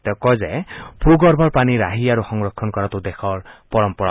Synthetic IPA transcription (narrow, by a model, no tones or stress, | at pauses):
t̪ɔkɔzepɾuɡɔɾbʱɔɹpaniɾaɦiaɾuxɔŋɹɔkʰːɔnkɔɾat̪ud̪exʰɔɹpɔɹɔmpɔɾa